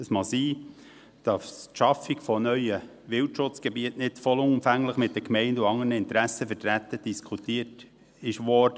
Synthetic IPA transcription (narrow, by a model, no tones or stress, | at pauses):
əsmɑsiː | d̥ɑstʃɑfiɡfɔnœʏjə | ʋɪltʃʊt͡sɡ̥ebiətnɪd̥fɔlʊnʊmfæŋləχmɪt̪̚d̥̪ɛɾkmɛɪnduɑŋːənəɪnt̪ɾæsəfəɾtɾæt̪ːəd̥iskʰutiət | ɪʃʋɔɾd̥ə